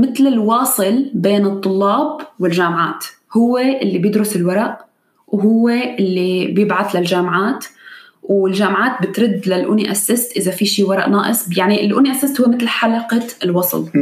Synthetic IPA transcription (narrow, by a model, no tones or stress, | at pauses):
mɪt̪lɪlwɑːsˤɨlbeːnɨt̪ˤːʊlːɑːbwɪlʒaːmʕaːt̪ | hʊwːeʔɪlːibjɪd̪ɾʊsɪlwɑɾˤɑʔ | wɦʊwːeʔɪlːibjɪbʕaθlalʒaːmʕaːt̪ | wɪlʒaːmʕaːt̪̚bɪt̪ɾɪd̪ːlalʔʊniʔasːɪsʔɪzafiʃiːwɑɾˤɑ̰ʔnaːʔɪsˤjaʕniɪlʔʊniʔasːɪst̪hʊwːemɪt̪lħalɑqɑɪlwɑsˤl